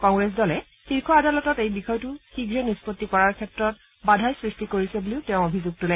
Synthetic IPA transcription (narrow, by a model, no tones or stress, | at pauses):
kɔŋɡɹɛs̬dɔlɛ | xiɹkʰɔadalɔtɔtejbixɔjtʊxiɡɹɛnispotːikɔɹaɹkʰɛtɹɔt̚ | badʱajsɹistikoɹisɛboliʊtɛʊ̃obʱizuɡ̚tulɛ